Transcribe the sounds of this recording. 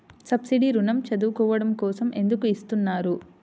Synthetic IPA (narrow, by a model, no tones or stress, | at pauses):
sɐbsiɖiɾunɐmt͡ʃɐd̪uːkɔːʋɐɽɐmkɔːsɐmʔe̞nd̪ukuist̪unːaːɾu